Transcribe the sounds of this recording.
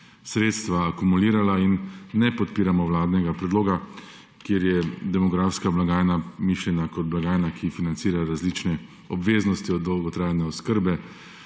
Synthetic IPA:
sɾeːt̪st̪ʋaːkumuliːɾalainːɛpɔt̪̚piːɾamɔwlaːd̪nɛɡapɾɛd̪loːɡa | kjeɾjɛd̪ɛmɔɡɾafskablaɡaːjnamiːʃlʲjɛnakɔd̪̚blaɡaːjnakʰifinant̪siːɾaɾazlit͡ʃnɛ | ɔbʋeːznɔst̪iɔd̪ɔwɡɔt̪ɾaːjnɛɔskəɾbɛ

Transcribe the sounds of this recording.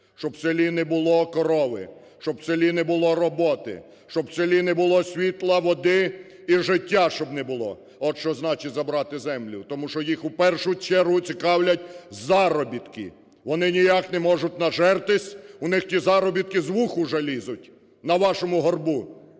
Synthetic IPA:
ʃt͡ʃɔbselʲinɛbʊlˠɔkɔɾɔʋɪ̰ | ʃt͡ʃɔbselʲinɛbʊlˠɔɾɔbɔt̪ɪ̰ | ʃt͡ʃɔbselʲinɛbʊlˠɔsʲʋʲit̪lˠɐʋɔd̪ɪ | iʒɪtʲːaʃt͡ʃɔbnɛbʊlˠɔ̰ | ɔʃt͡ʃɔznɑt͡ʃɪtʲzɐbɾɑt̪ɪzɛmlʲʊt̪ɔmuʃt͡ʃɔjixupɛrʃʊt͡ʃɛɾɦʊt͡sʲikɑwlʲɐtʲzɑɾɔbʲit̪kɪ̰ | ʋɔnɪnʲijaknɛmɔʒʊtʲnɐʒɛrt̪ɪsʲʊnɪxtʲizɑɾɔbʲit̪̚kɪzʋuxʊʒɛlʲizʊtʲ | nɐʋɑʃɔmʊɦɔrbu

